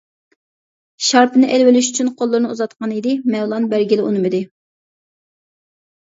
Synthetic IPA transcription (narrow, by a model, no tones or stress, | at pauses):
ʃɑɾpɨnɨʔɛlwɪlyʃy̥t͡ʃʰynqʰolˠːʊɾɨnɨuzɑt̪̚qʰɑnid̪ɪmɛwlˠɑnbæɾɡʲilɪʔunɨmɪd̪ɪ